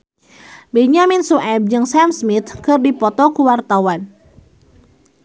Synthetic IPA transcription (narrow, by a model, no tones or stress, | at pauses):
bɛɲaminsuʔɛb̚d͡ʒɨŋsamsmit̪kɨrdipɔt̪ɔkuwart̪awan